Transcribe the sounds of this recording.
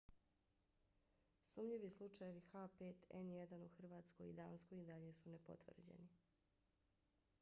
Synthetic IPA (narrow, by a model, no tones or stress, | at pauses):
suːmʎiʋislˠut͡ʃajeʋixapeːt̪ḛnjed̪anuxr̩ʋaːt̪sko̞ḭd̪aːnskoid̪aʎe̞sunepo̞̰t̪ʋr̩d͡ʑḛni